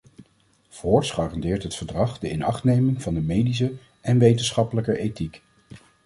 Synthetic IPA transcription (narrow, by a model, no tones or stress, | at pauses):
v̥ɔːɹtsχɑːrɑndɪːɹtɦətfəɹdrɑχdəɪnɑχtnejmɪŋv̥ɑndəmejdis̬ə | ʔɛnʋejtənsχɑpələkəʔejtik